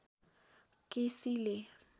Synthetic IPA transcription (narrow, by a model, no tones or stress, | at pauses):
kʼɪsile